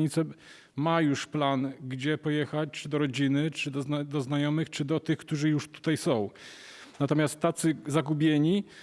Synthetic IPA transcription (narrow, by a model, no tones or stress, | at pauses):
ɲit̪sɛ | majuʂplanɡd͡ʑɛpɔjɛxat͡ɕt͡ʂɘd̪ɔɾɔd͡ʑinɘt͡ʂɘd̪ɔd̪ɔznajɔmɘxt͡ʂɘd̪ɔt̪ɘxkt̪uʐɘjuʂt̪u̥t̪ajsɔ̃w̃ | nat̪ɔmʲjast̪ːat̪sɘzaɡubʲjɛɲi